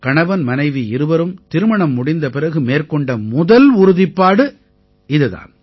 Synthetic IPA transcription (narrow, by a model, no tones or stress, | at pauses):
kɐɳɐʋɐnmɐnɐɪʋiɪɾɯʋɐɾɯmt̪ɪɾɯmɐɳɐmːʊɽɪnd̪ɐpɪɾɐɣɯmeːrkɔɳɖɐmʊðɐlʊɾʊðɪpːaːɽɯ | ɪðɯða̰ːn